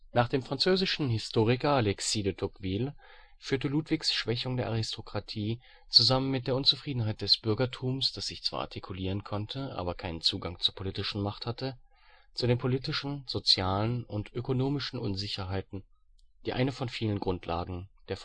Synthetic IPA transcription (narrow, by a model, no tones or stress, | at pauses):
naːχd̥eːmfʁ̥ant͡søːzɪʃn̩ɦɪstʰoːʁ̞ɪkɐalɛksiːdətʰɔkv̥iːl | fyːɐtəluːtv̥ɪçsʃv̥ɛçʊŋdeːɐʔaʁɪstʰokʁ̥atʰiː | t͡suzamənmɪt̚d̥eːɐʊnt͡sufʁ̥iːdn̩ɦaɪt̚d̥ɛsb̥ʏɐɡɐtʰuːmsd̥asz̥ɪçt͡sv̥a̰ːʔa̰ɐtikʰuliːʁ̞ənkʰɔntʰəʔa̰ːbɐkʰaɪnənt͡suːɡaŋt͡suːɐpʰoliːtɪʃn̩maχthatə | t͡sudeːnpʰoliːtɪʃn̩z̥ot͡sjaːlənʊntʔøkonoːmɪʃn̩ʔʊnzɪçɐɦaɪtn̩ | d̥iːʔa̰ɪnəfɔnfiːlənɡʁʊntʰla̰ːɡŋ̩d̥eːɐf